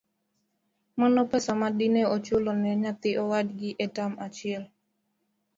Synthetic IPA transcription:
manɔpɛsamadinɛɔt͡ʃʊlɔnɛɲat̪ɪʔɔwadɡɪʔɛtamat͡ʃɪɛl

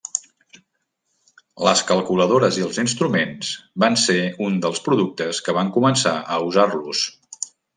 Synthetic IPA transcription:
ləskəlˠkuləðoɾəziəlˠzinst̪ɾumenz̥banseund̪əlˠspɾuðuk̚t̪əskəβaŋkumənsaʔəuzarlus

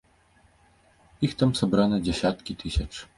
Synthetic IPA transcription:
ixt̪amsabɾanɐd͡zʲɛsʲat̪kʲit̪ʰɨsʲɐt͡ʂ

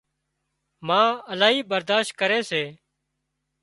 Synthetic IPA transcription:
mãːəlaːɦiːbəɾd̪aːʃt̪̚kəɾeːseː

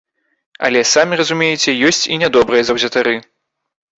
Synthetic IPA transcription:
ɐ̰lʲɛsamʲirɐzumʲejɛt͡sʲɛjɔsʲt͡sʲinʲɛd̪ɔbɾɐjɐzɐwzʲɐt̪aɾɨ

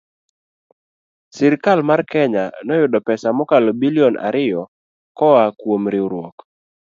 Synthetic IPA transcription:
sɛɾkalmarkɛɲanɔjʊdɔpɛsamɔkalɔbiliɔnʔa̰ɾɪjɔ | kɔakwomɾɪuɾwɔk

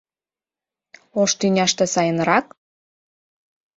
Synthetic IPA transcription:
oʃt̪ynʲɑʃt̪ĕsɑjə̆nɾɑk

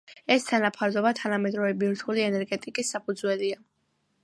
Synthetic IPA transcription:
ɛst̪ʰanapʰaɾd̪ɔbat̪ʰanamɛd̪ɾɔvɛbiɾt̪ʰuliɛnɛɾɡɛt̪ʼikʼisːapʰud̪zwɛlia

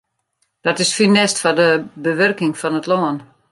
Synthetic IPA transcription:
d̥ɔtɪsfinɛstfɔdəbəʋørkɪŋfɔnətloən

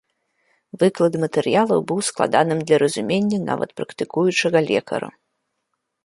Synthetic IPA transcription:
vɨklˠɐd̪mɐt̪ɛɾjalˠɐwbɨwsklˠa̰d̪anɨmd̪lʲɐɾɐzumʲenʲːɐna̰vɐ̰t̪pɾɐkt̪ɨkujut͡ʂɐɣɐlʲɛ̰kʰɐ̰ɾṵ

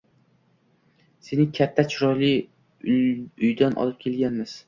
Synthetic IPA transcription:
senɪŋkʲʰat̪ʰːat͡ʃʰʊɾɒjlɪ | ʊjd̪anʔɒ̰lˠɪp̚kʲʰe̞lɡʲanmɪz̥

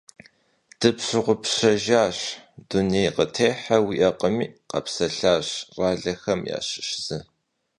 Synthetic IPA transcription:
d̥ɨpɕɨʁʷʊpɕɐʒaːɕdunejqətʰeːħɐwiʔɐqəmiːqɐ̰psɐɬaːɕraːɮɐxɐmja̰ːɕɪ̥ɕz̥ɨ

